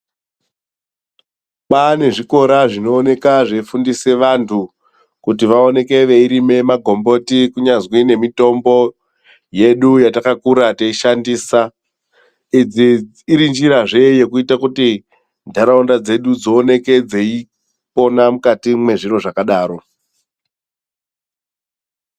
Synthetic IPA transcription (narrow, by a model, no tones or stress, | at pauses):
pane̞ʐiko̞ɾaʐino̞ːne̞kaʐe̞fundise̞ʋantʰu | kut̬iʋaone̞ke̞ʋe̞iɾime̞maɡʱo̞mbo̞tikuɲazwine̞mito̞mbo̞ | je̞ɗujatakakuɾateiʃandiːsa | id͡ziː | ɾind͡ʒiɾaʐe̞je̞kuitakuti | ndʱaɾaundad͡ze̞ɗud͡zo̞ːne̞ke̞d͡zei | po̞namukatimwe̞ʐiro̞ʐakaɗaːɾo̞